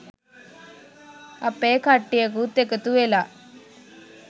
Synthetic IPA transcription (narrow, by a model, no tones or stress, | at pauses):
ɐpːeːkʰɐʈːijɐkut̪ekɐt̪uela